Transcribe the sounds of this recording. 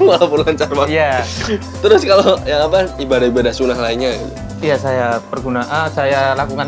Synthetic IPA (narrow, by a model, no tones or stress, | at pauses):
malapurlaɲt͡ʃarmaja | t̪əɾʊskalojaŋapaibadaibadahsunahlaɪnɲaɡit̪u | jasajapərɡunaʔansajalakuŋa